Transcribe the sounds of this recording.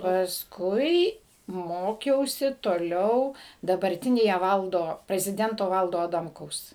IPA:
pɐsˈkʊɪ ˈmoːkʲɛʊsʲɪ toːˈlʲɛʊ dɐbɐrʲˈtʲɪnʲeːjɛ ˈʋɐlˠdoː pʲrʲɛzʲɪˈdʲɛntoː ˈʋɐlˠdoː ɐˈdɐmkɐʊs

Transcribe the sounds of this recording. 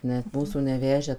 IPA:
nʲɛt ˈmuːsuː nʲɛˈʋʲæːʒʲæː

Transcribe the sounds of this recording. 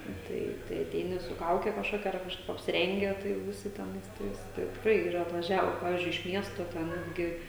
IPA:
ˈtɐɪ tɐɪ ɐˈtʲɛɪnʲɪ sʊ ˈkɐʊkʲɛ kɐʃˈkoːkʲɛ ɐr kɐʃˈkɐɪp ɐpʲsʲɪˈrʲɛŋʲɡʲɛ ˈtɐɪ jɛʊ ʋʲɪˈsʲɪ tʲɛˈnɐɪs ˈtɐɪs tɐɪ tʲɪkˈrɐɪ iːˈrɐ ɐtʋɐˈʒʲæːʋoː ˈpɑːʋʲɪzʲd͡ʒʲʊɪ ɪʃ ˈmʲiɛstoː tʲɛ ˈnʲæːdʲɡʲɪ

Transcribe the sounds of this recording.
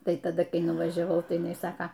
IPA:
ˈtɐɪ tɐˈdɐ ˈkɐɪ nʊʋˈɑːʒʲɛʋɐʊ tɐɪ jɪˈnɐɪ ˈsɑːkɐ

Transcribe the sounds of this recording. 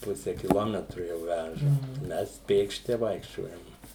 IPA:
ˈpʊsʲɛ kʲɪˈlˠoːmʲɛtrʊ jɛʊ ˈʋʲæʒɐ ˈmʲɛs ˈpʲeːkʃʲtʲɪ ˈʋɐɪkʃʲt͡ʃʲoːjɛm

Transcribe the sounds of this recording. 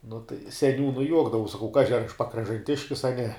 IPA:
nʊ tɐɪ sʲɛˈnʲuːnʊɪ ˈjuɔɡdɐʋɐʊs sɐˈkɐʊ ˈkɑːʒʲɪ ɐr ɐʃ pɐkrɐʒɐnʲˈtʲɪʃʲkʲɪs ɐ nʲɛ

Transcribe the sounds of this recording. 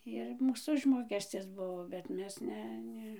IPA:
ɪr ˈmuːs ˈʊʒmoːkʲɛsʲt͡sʲɪs ˈbʊʋoː bʲɛt ˈmʲɛs ˈnʲɛ ˈnʲɛ

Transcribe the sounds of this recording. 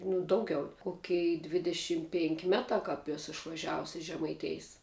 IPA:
nʊ ˈdɐʊɡʲɛʊ ˈkoːkʲɛɪ dʲʋʲɪdʲɛˈʃʲɪm pʲɛŋʲkʲ ˈmʲæːtɑː kɑːp ˈæːsʊ ɪʃʋɐˈʒʲæːʋʊs ɪʃ ʒʲɛmɐɪˈtʲeːjs

